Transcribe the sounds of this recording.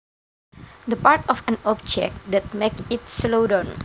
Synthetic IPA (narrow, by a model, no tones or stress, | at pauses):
d̪əpaɹtɔfɛ̃nɔp̚d͡ʒɛ̰k̚td̪ɛt̚mekɪtslodɔ̃n